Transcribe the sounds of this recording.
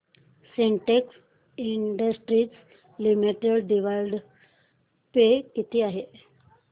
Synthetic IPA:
seɳʈeks | iɳɖəsʈɾiːt͡s | limiʈəɽɖiʋalɖ | pekit̪ʰiːaɦe

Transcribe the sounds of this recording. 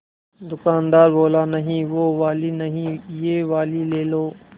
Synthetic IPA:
d̪ʊkaːnd̪aːɾboːlaːnəɦĩːʋoːʋaːliːnəɦĩːjeːʋaːliːleːloː

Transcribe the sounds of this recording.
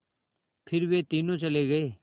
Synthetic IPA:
pʰɪɾʋeːt̪iːnõːt͡ʃəleːɡəeː

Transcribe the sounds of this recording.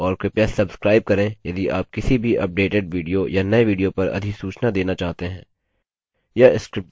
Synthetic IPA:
ɔːɾkepjasɐbskɾaːɪb̚kɐɾẽjɐd̪iʔa̰ːp̚kɪsibʱiʔɐp̚ɖeːʈeɖʋiːɖijojanɐeʋiːɖijopɐɾɐ̰d̪ʱisuːt͡ʃnad̪eːnat͡ʃaːɦt̪eɦɛ̃ː | jaɪskɾɪp̚

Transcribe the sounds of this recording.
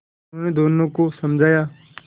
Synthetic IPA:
onẽːd̪oːnõːkosəmd͡ʒʱaːjaː

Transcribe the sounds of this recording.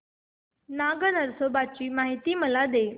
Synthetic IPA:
naɡənəɾsobat͡ɕiːmaɦit̪iːməlad̪e

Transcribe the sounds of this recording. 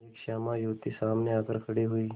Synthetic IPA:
eːkʃaːmaɾjuːt̪isaːmneakəɾkʰəɽiɦuiː

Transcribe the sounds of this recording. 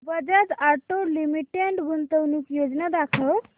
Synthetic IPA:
bəd͡ʒat̪aʈolimiʈeɳʈbunt̪əwnukjod͡ʒnad̪akʰəw

